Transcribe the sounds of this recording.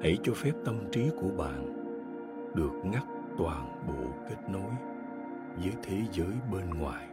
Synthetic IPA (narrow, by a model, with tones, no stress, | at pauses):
hə˧˩jt͡ɕɔ˧fɛ˦˥p̚t̪ə˧mt͡ɕi˨˦ku˧˩əɓa̰ː˧˨n | ɗɨ˨˩ək̚ŋa˦˥k̚t̪waː˨˩nɓo̰˧˨ke˦˥t̚no˨˦j | zəː˨˦jt̪ʰe˨˦zəː˨˦jɓe˧nŋwa̰ː˨˩j